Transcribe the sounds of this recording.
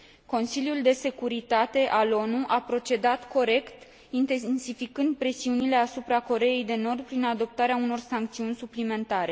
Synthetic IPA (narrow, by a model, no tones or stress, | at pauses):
ko̞nsiljuld̪e̞se̞kuɾit̪at̪e̞ʔalo̞nuʔapɾo̞t͡ʃe̞d̪at̪ko̞ɾe̞kt̪ | int̪ensifikɨnd̪̚pɾe̞siunile̞asupɾako̞ɾe̞je̞jd̪e̞no̞rd̪̚pɾinad̪o̞p̚t̪aɾeauno̞rsaŋkt̪siunʲsuplime̞nt̪aɾe̞